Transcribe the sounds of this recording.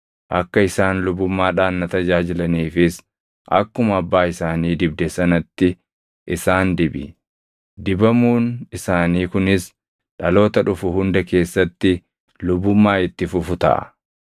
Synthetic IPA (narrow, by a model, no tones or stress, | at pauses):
ʔɐkːɐɪsaːnlʊbʊmːaːᶑaːnːɐt̪ɐd͡ʒaːd͡ʒɪlɐniːfɪs | ʔɐ̰kːʊmɐɐbːaːɪsaːniːd̪ɪbd̪ɛsɐnɐt̪ːɪ | ʔɪsaːnd̪ɪbɪ̰ | d̪ɪbɐmuːnɪsaːniːkʊnɪs | ᶑɐlo̞ːt̪ɐᶑʊfʊhʊnd̪ɐke̞ːsːɐt̪ːɪ | lʊbːʊmːaːɪt̪ːɪfʊfʊt̪ɐ̰ʔɐ̰